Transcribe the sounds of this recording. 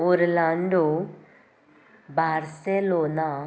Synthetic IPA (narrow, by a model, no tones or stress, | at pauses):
ʊɾlãːɳɖoː | baːɾseːloːnaː